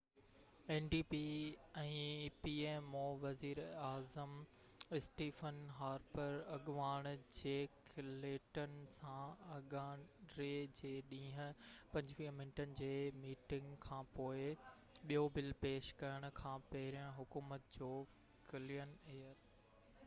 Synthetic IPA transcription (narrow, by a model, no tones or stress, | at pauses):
eːnɖiːpiɛ̃ːpiːeːmoːʋɐziːɾaːzəm | ɪsʈiːfənɦaːɾbəɾɐɠʋaːɽ̃d͡ʑeːkʰleːʈənɪ̆sãɐɠaːɾed͡ʑeːɗĩːɦə̃̆pɐ̃ɲd͡ʑʋĩːmɪnʈənɪ̆d͡ʑeːmiːʈɪ̃ŋɡkʰãːpoːɪ | ɓijobɪlpeːʃkɐjəɽ̃ʊ̆kʰãːpɐɦɪɾijə̃ɦʊkuːmət̪̚d͡ʑoː | kɪlijəneːəɾ